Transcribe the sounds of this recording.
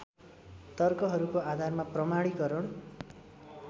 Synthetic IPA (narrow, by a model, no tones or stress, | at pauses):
t̪ʌrkʌɦʌɾukoad̪ʱarmaprʌmaɽ̃iɡʌɾʌɽ̃